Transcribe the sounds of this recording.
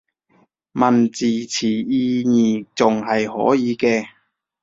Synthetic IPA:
mɐ˨˩nt͡siː˨˩t͡sʰiː˨˩jiː˧ɲiː˨˩t͡sʊ˨ŋɦɐ˨jhɔ̰ː˨˥jiː˨˧kɛː˧

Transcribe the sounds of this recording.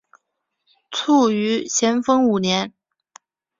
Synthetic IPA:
t͡sʰu˥˩y˧˥ɕʰjɛ˧˥nfɤ˥ŋu˨˩njɛ˧˥n

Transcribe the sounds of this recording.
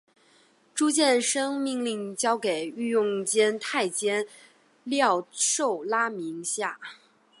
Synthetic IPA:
ʈ͡ʂu˥t͡ɕjɛ˥˩nʂɤ˥ŋmi˥˧ŋli˥˩ŋt͡ɕjɑ˥ʊke˨˩ɪy˥˧jʊ˥˩ŋt͡ɕjɛ˥nt̪ʰa˥˩ɪt͡ɕjɛ˥n | ljɑ˥˧ʊʂo˥˩ʊla˥mi˧˥ŋɕja˥˩

